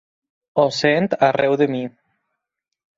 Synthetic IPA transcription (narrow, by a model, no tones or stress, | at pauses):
osent̪arʔɛwðemi